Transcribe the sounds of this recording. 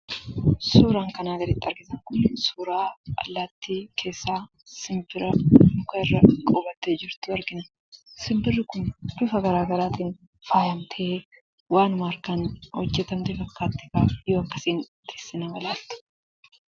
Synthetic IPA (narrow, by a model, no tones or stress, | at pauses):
suːɾaːŋkɐnaːɡɐɾɪt̪ːɐɾɡɪsɐŋkʊnsuːɾaːɐlːaːt̪ːikʰe̞ːsːaː | sɪmbɪɾɐmʊkɐɪrːɐkʼɔbɐt̪ːeːd͡ʒɪɾt̪ʊɐɾɡɪnɐ | sɪmbɪrːɪkʊnd̪̥ʊfɐɡɐɾaːɡɐɾaːt̪iːn | faːhɐmt̪ʰe | waːnʊmaɾkɐnhɔd͡ʒːɛt̪ɐmt̪ɪfɐkːaːt̪ːɪ̥kaːjo̞ːɐkːɐ̥siːn | t̪eːsːɪnɐwɐlaːlt̪ʊ̥